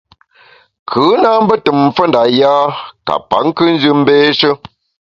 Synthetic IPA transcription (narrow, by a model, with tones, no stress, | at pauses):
kʰɯ˨˦na˦m̩˦bə˦tə˨m˨fə˦nda˨jaː˦ka̰˨pa̰˨˦ŋ˦kɨ˦n̩˦d͡ʒɨ˦m̩˦beː˦ʃə˦